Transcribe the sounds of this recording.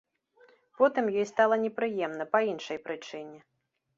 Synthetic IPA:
pɔt̪ɨmjɔjst̪alˠɐnʲɛpɾɨjɛmnɐpɐinʂɐjpɾɨt͡ʂɨnʲɛ

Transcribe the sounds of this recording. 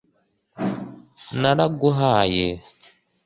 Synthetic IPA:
naɾaɡoɦaje

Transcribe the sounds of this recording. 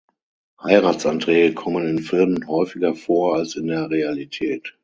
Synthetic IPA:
haɪʁaːtt͡sʔantʁ̥ɛːɡəkʰɔmənɪnfɪlmənhɔʏfɪɡɐfoːɐalsɪndeːɐʁealitʰɛːt

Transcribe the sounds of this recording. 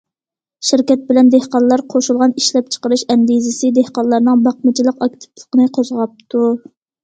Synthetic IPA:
ʃiɾkʲɛt̪̚bɪlɛnd̪ehqɑnlˠɑɾqʰoʃulˠʁɑniʃlɛp̚t͡ʃʰə̥qəɾɨʃɛŋɡ̪izɪsɪd̪ehqɑnlˠɑɾnɨŋbɑq̚mɨt͡ʃʰilˠəqɑk̚ʲt̪ʰɨ̥plˠə̥qənɨqʰozʁɑp̚t̪ʰu

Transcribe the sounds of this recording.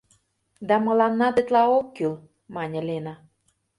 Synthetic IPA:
d̪ɑmɤ̆lɑnːɑd̪ĕt̪lɑokːyl | mɑnʲə̆lʲenɑ

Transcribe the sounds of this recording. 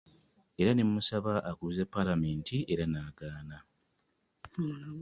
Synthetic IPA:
e̞ɾanemːusaβaʔakuzepːalame̞ːntʰiʔe̞ɾanaːɡaːna

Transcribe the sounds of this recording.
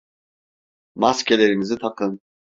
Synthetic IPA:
mascʲelʲeɾinizit̪ʰakʰɯn

